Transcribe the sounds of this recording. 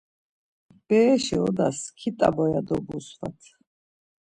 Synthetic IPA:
b̥ɛːʃiɔ̰d̪askʰit̪ʼa̰bɔjad̪ɔbusva̰t̪ʰ

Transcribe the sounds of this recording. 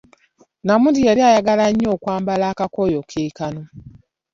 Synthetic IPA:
namudieɾiajaɡalaɲːoːkwaːmbalaːkakojokʰeːkano

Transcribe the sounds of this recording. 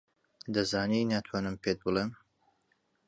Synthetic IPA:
d̪ɐzaːninaːt̪ʰwaːnɨmpʰet̪̚bɨlˠem

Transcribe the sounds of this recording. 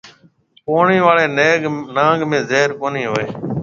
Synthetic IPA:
poːɳĩːʋaːɭeːneːɡnãːɡmẽːzeːɾkoːniːɦoːeː

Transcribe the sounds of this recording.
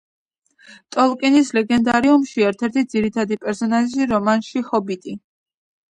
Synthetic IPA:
t̪ʼɔlˠkʼinislɛɡɛnd̪aɾiumʃiɛɾt̪ʰɛɾt̪ʰid̪ziɾit̪ʰad̪ipʼɛɾsɔnaʒʒiɾɔmanʃihɔbit̪ʼi

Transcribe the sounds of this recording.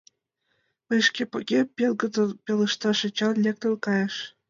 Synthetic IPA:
ɤʃkʲepɤ̆ɣʲepʲelˠɡɤ̆d̪ɤlpʲeləʃt̪ɑʃĕt͡ɕɑnlʲek̚t̪ə̆lkɑjə̆ʃ

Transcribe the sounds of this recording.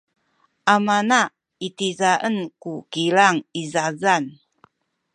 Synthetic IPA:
ʔamana | itizaʔənkukilaŋizazan

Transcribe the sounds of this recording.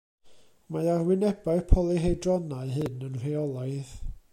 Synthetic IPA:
majarwɪnɛbaɨpʰɔlˠiɦejdrɔnaɨɦɨnənr̥eɔlˠajð

